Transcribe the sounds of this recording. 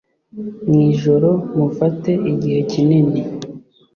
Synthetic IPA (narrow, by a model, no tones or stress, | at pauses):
ŋiːʒo̞ɾo̞mufate̞iɟihe̞ciniɲe